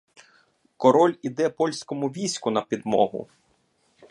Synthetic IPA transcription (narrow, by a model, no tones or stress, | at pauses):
kɔɾɔlʲid̪ɛpɔlʲsʲkɔmʊʋʲijsʲkʊnɐpʲid̪mɔ̰ɦʊ̰